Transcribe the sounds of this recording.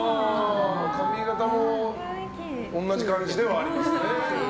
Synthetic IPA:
amoːt̪ʰamʲĩɡat̪amo | õnːaʑikãɲd͡ʑid̪e̞βaːɾimasɨne

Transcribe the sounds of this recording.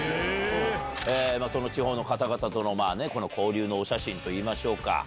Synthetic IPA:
eːmaːso̞no̞t͡ɕiɦo̞ːno̞kat̪aɡat̪at̪o̞no̞maːne̞ko̞no̞kʰo̞ːɾʲɯːnoːɕaɕĩnt̪o̞iːmaɕo̞ːka̰

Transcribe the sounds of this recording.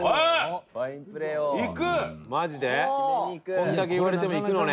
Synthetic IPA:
ikɯmad͡ʑid̪e̞ | kond̪ake̞iβaɾet̪̬e̞moikɯnone

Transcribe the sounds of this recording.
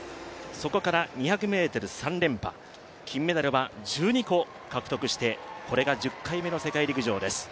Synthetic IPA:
so̞ko̞kaɾaɲ̟içakɯ̟me̞ːt̪o̞ɾɯ̟sãnɾẽ̞mpa̰ | kʲʰĩmːe̞d̪aɾɯ̟βad͡ʑɨːɲ̟iko̞ | kakɯ̟t̪o̞kɯ̟ɕi̥t̪e̞ko̞ɾe̞ɡad͡ʑɨkːaime̞no̞se̞kaiɾʲikɯ̟ʑo̞ːd̪e̞sɨ̥

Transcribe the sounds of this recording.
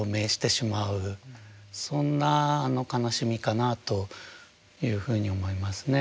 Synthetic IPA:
ome̞ːɕi̥t̪e̞ɕimaɯ̟ | sõ̞nːaːno̞kanaɕimʲikanat̪o̞ | jɯːɸɯ̟ːɲ̟io̞mo̞imasɨne̞

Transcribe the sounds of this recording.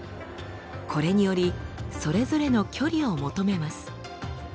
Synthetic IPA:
kʰo̞ɾe̞ɲ̟ijo̞ɾʲiso̞ɾe̞zo̞ɾe̞no̞kʲʰo̞ɾʲio̞mo̞t̪o̞me̞masɨ̥

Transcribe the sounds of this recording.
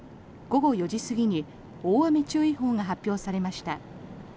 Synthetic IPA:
ɡ̥o̞ɡo̞jo̞ʑisɨɡʲiɲ̟i | oːβame̞t͡ɕɨːiɦo̞ːŋaɦapʲːjo̞ːsaɾe̞maɕi̥t̪a

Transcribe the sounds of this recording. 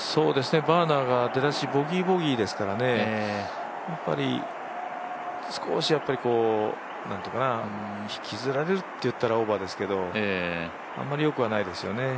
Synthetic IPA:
so̞ːd̪e̞sɨne̞baːnaːɡad̪e̞d̪aɕibo̞ɡʲibo̞ɡʲiːd̪e̞sɨ̥kaɾane̞ | japːa̰ɾʲḭ | sɨ̥ko̞ɕijapːaɾʲiko̞ː | nã̰nt̪ikana | çi̥kʲizɨɾaɾe̞ɾɯ̟t̪ːe̞jɯ̟t̪ːaɾao̞bad̪e̞sɨ̥ke̞d̪o̞ | a̰mːaɾʲijo̞kɯβ̞anaid̪e̞sɨjo̞ne̞

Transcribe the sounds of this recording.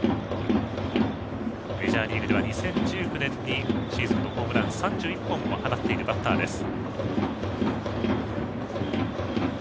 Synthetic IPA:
me̞ʑaːɾʲiːɾɯ̟d̪eβaɲ̟isẽ̞ɲd͡ʑɨːkɯ̟nẽ̞nɲiɕiːzɨ̃nːokoːmɯ̟ɾãnɨ̥sãɲ̟d͡ʑɨːipːõmohanat̪ːe̞iɾɯ̟bat̪ːaːd̪e̞sɨ̥

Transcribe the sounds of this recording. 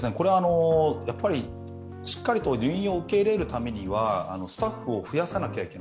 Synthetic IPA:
sɨne̞ko̞ɾe̞aːno̞japːaɾʲi | ɕi̥kːaɾʲit̪o̞ɾʲɯɰĩo̞ɯ̟ke̞iɾe̞ɾɯ̟t̪ame̞ɲ̟iβa̰ːno̞sɨ̥t̪aɸːɯ̟o̞ɸɯ̟jasanakʲaikʲe̞na

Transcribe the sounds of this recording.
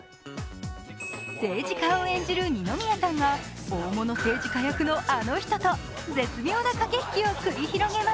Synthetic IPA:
se̞ːd͡ʑikaoẽ̞ɲ̟d͡ʑiɾɯ̟ɲ̟ino̞mʲijasãŋɡa | oːmo̞no̞se̞ːd͡ʑikajakɯ̟no̞ʔano̞çi̥t̪o̞t̪o̞ | d͡ze̞t͡sɨmʲjo̞ːnakake̞çʲi̥kʲio̞kɯ̟ɾʲiçiɾo̞ɡe̞ma

